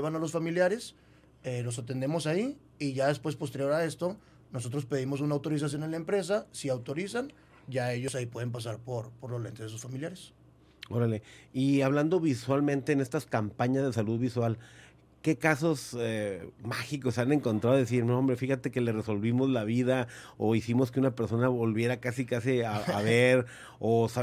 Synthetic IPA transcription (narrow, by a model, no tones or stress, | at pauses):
eβanalo̞sfamiljaɾe̞s | elo̞s̬at̪e̞nd̪e̞mo̞sai | iʝaðe̞spwe̞spo̞s̬t̪eɾjo̞ɾae̞st̪o̞ | no̞s̬o̞t̪ɾo̞spe̞ð̞imos̬unaːwt̪o̞ɾis̬as̬jo̞nenlaempɾe̞s̬asiawt̪o̞ɾisan | ɟ͡ʝae̞ʝo̞saipwe̞ð̞e̞mp̬as̬aɾpo̞ɾpo̞ɾlole̞nt̪ezes̬u̥sfamiljaɾes | oɾele̞iaβland̪o̞βiswalmẽ̞nt̪e̞ːne̞st̪askampaɲazðesaluðβiswal | ke̞kaso̞semaxiko̞sane̞ŋko̞nt̪ɾaðes̬iɾnoombɾe̞fixat̪e̞ke̞lere̞so̞lβimo̞zlaβ̞iðaoisimo̞skeunape̞ɾso̞naβo̞lβje̞ɾakasikasiaaβe̞ɾ | osa